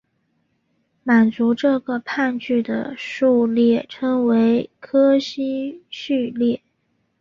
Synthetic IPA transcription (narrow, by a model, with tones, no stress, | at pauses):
ma˨˩nt͡su˧˥ʈ͡ʂɤ˥˩ɡə˩pʰa˥˧nt͡ɕy˥˩d̪ə̰˩ʂu˥˧ljɛ˥˩ʈ͡ʂʰɤ˥ŋwe˧˥ɪkʰɤ˥ɕi˥ɕy˥˧ljɛ˥˩